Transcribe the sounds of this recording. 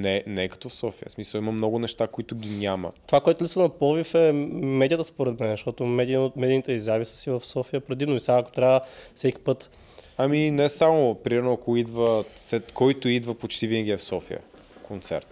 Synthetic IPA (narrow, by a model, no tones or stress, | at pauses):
nɛnɛkɐ̥t̪ɔfsɔfijə̰smisəlˠimɐmnɔɡʊnɛʃt̪akoit̪ʊɡʲiɲʲamə̰t̪ovakoɛt̪ʊlitsənɐpɔvifɛmɛd̪ijət̪əspoɾɛt̪mɛnzəʃt̪ɔt̪omɛd̪imɛd̪init̪ɛizavisə̥sivɐfsɔfijəpɾɛd̪inoisaɐko̥t̪ɾʲavəfsɛkʲi̥pɤt̪ | ɐminɛsamopɾimɛɾnoakoid̪vəsɛt̪kɔjt̪oid̪vəpot͡ʃt̪ivinəɡʲiɛfsɔfijə̰ | kʰont̪sɛ̰ɾt̪